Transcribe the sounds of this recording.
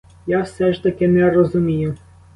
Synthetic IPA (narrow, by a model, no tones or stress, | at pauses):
jawsɛʂt̪ɐkʲɪnɛɾɔzʊmʲijʊ